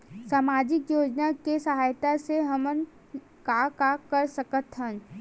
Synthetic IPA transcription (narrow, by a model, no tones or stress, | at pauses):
saːmaːd͡ʒɪkjoːd͡ʒnakesɐɦaːjt̪aseɦɐmən | kakakɐɾsɐkət̪ɦən